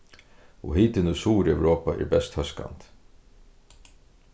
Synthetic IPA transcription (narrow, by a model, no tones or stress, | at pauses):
ɔ̰ɦiːt̪ɪnusuːɾɛwɾoːpaʔɛ̰ɾbɛst̪hœska̰nt̪